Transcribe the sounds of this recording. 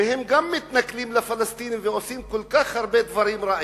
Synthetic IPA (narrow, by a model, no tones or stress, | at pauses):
ehemɡamːɪt̪naklimlafalast̪iniveosimkolkaχhaɾbed̪vaɾimɾaʕ